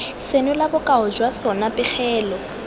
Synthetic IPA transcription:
senʊlabʊkʼaʊd͡ʒwasɔnapʼɪχɛːlɔ

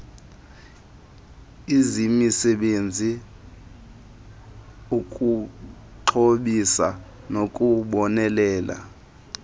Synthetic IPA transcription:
izimisɛɓend͡zʱi | ukʼu | ǃʰoɓisa | nokʼuɓɔnɛlɛːla̰

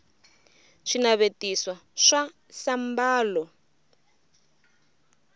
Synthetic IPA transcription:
ʂinaβetiswaʂa | sambaːlɔ

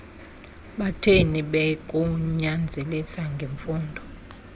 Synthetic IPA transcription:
ɓatʰeniɓɛkʼuɲand͡zʱɛlisaŋɡʱeɱfuːndʱɔ

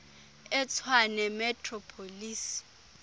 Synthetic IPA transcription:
ɛt͡sʰwanɛmɛtʰʼrɔpʰoliːsi̥

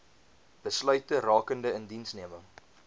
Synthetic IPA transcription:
b̥əslœɥtərɑːkəndəəndinsniəməŋ

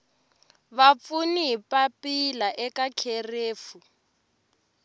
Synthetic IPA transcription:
βap̪funiɦipapilaʔɛkakʰereːfu

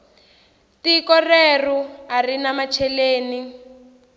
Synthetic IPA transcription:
tikɔreruarinamat͡ʃʰɛleːni

